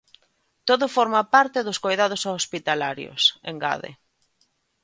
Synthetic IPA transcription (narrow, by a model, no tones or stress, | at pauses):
t̪oðʊfɔɾmapaɾt̪ɪðʊskojðað̞ʊsaospit̪alaɾjo̰sḛŋɡa̰ðḛ